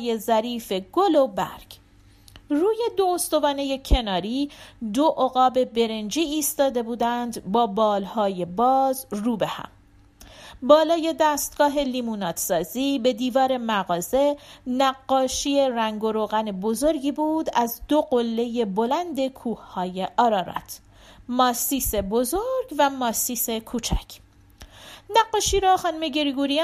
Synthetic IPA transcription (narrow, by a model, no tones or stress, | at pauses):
je̞zæɾiːfe̞ɡo̞lobæ̰ɾɡ̥ | ruːje̞d̪oːst̪o̞vɒːne̞je̞cʰe̞nɒːɾiːd̪oʔoɣɒːbe̞be̞ɾe̞nd͡ʒiːst̪ɒːd̪e̞buːd̪ænd̪bɒːbɒːlhɒːje̞bɒːzruːbehæ̰m | bɒːlɒːje̞d̪æːst̪̚ɡ̥ɒːɦe̞liːmuːnɒːt̪sɒːziːbe̞d̪iːvɒːɾe̞mæɣɒːze̞næɡːɒːʃie̞ɾæŋɡo̞ɾoːɣæne̞bo̞zo̞ɾɟiːbuːd̪æzd̪o̞ɢolːe̞je̞bo̞lænd̪e̞kʰuːhhɒːje̞ʔɒːɾɒːɾɒ̰ːt̪ʰː | ɒːsiːsebo̞zoɾɡvæmɒːsiːse̞kʰuːt͡ʃʰæ̰cʰ | næɡːɒːʃiːɾɒxɒːnumeɟe̞ɾiɡuɾi